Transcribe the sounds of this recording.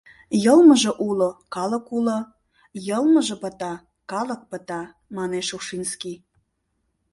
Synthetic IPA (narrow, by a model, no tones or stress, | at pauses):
jɤlməʒə̆ʔulokɑləkulo | jəlməʒə̆pə̆t̪ɑ | kɑlə̆k̚pə̆t̪ɑ | mɑneʃuʃinski